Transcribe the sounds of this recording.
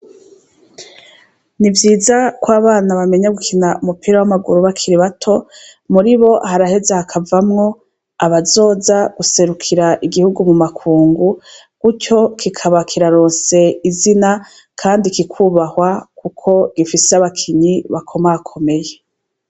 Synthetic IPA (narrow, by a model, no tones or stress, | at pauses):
nivjiːzakwaːβaːnaβame̞ɲaɡukʰinaʔumupiːɾawamaɡuɾuβakʰiɾiβatʰo̞muɾiβo̞haɾahe̞zehakʰavamŋo̞ | aβazo̞ːzaɡ̥use̞ɾukʰiɾaʔiɡihuɡumumakʰuːŋɡu | ɡ̥uco̞kikʰaβakʰiɾaɾoːnse̞izina | kʰaːndikikʰuβahwakukʰo̞ɡ̥ifiseaβakʰiɲiβakʰo̞maakʰo̞me̞je